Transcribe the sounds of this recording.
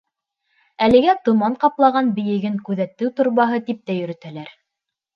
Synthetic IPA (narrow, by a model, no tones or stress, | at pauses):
ælɘ̆ɡæt̪ŏmɑɴqɑplˠɑʁɑnbɘ̆jɘ̆ɡɘŋkʉðæt̪ːɘwt̪ŏɾβɑɦɤt̪ip̚t̪æjɵ̆ɾɵ̆t̪ælæɾ